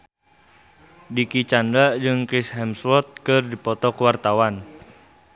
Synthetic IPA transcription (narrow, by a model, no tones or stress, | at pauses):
dikit͡ʃandɾad͡ʒɨŋkisɦɛmswɔt̪̚kɨrdipɔt̪ɔkəwart̪awan